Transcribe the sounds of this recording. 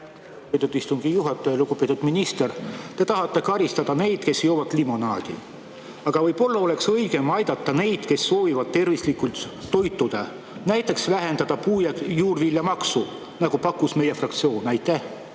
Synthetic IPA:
uɡupet̪ːud̪ist̪uŋɡ̥ijuɦɑt̪ːˑɑjɑluɡ̥upet̪ːud̪minist̪ert̪e̞t̪ɑɦɑt̪ːˑe̞kɑɾist̪ɑd̪̥ɑne̞jd̪̥ke̞sjo̞ːvɑt̪limo̞nɑːd̪̥ḭ | ɑɡ̥ɑvɤjbo̞lːɑo̞le̞ksɤjɡ̥e̞mɑjd̪̥ɑt̪ːɑne̞jd̪̥ke̞sːo̞ːvivɑd̪̥̚t̪e̞rvislikːˑult̪ːo̞jt̪ːˑud̪̥e | næjt̪ːˑe̞ksvæɦe̞nd̪ɑd̪̥ɑpuːjɑjuːrvilʲjɑmɑksu | nɑɡ̥upɑkːˑusme̞je̞frɑkt̪sio̞ːnɑjt̪ːˑæh

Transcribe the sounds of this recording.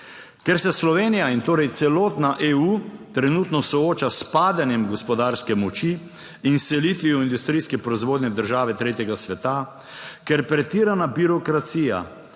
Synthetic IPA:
kɛɾsɛslɔʋeːnijaint̪oːɾɛjt̪sɛloːt̪naʔeːuːt̪ɾɛnut̪nɔsɔoːt͡ʃaspaːd̪anjɛmɡɔspɔd̪aːɾskɛmɔt͡ʃi | insɛlit̪ʋiuind̪ust̪ɾijskɛpɾɔizʋoːd̪nʲɛd̪əɾʒaːʋɛt̪ɾeːt̪jɛɡasʋɛt̪a | kɛɾpɾɛt̪iːɾanabiɾɔkɾat̪siːja̰

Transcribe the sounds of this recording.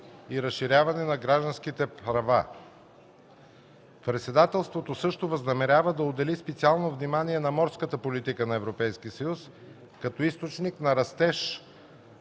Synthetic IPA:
iɾɐsʃiɾʲavɐnɛnɐɡɾaʒd̪ɐnsk̟it̪ɛpɾɐva̰ | pɾɛt̪sɛd̪at̪ɛlˠst̪vot̪osɤʃt̪ovəznɐmɛɾʲjavəd̪ɐod̪ɛlispɛt̪sialˠnovnimaniɛnɐmɔɾskət̪əpolit̪ikənɐɛvɾopɛjskiəsəjus | kɐt̪ɔist̪ot͡ʃniknɐɾɐst̪ɛʃ

